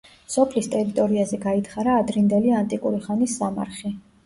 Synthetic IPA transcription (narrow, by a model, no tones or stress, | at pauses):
sɔpʰlist̪ʼɛɾit̪ʼɔɾiazɛɡait̪ʰχaɾaːd̪ɾind̪ɛliant̪ʼikʼuɾiχanisːama̰ɾχi